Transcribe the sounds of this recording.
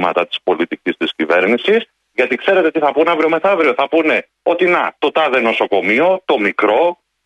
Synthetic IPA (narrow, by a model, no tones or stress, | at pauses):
mɐt̪ɐt̪i̥spo̞lit̪icist̪iscive̞ɾnisis | ʝɐt̪ikse̞ɾe̞t̪et̪iθɐpunɐvɾio̞me̞θɐvɾio̞θɐpune̞ | o̞t̪inɐt̪o̞t̪ɐðe̞no̞so̞ko̞mio̞t̪o̞mikɾo̞